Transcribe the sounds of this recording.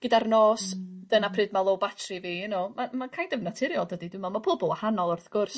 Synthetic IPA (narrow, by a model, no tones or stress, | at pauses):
ɡ̥ədarnoːsd̥ənapʰrɨːd̚malˠowbatʰriviːənomamakʰajdəvnatʰɪɾjɔlˠdədidɪmɔmapʰoːbɔlˠahanɔlˠʊrθɡ̥ʊrs